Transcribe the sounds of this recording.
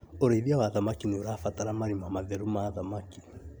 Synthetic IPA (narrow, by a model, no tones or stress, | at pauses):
oɾoiðiawaðamakinioɾafataɾamaɾimamaðɛɾumaðamaki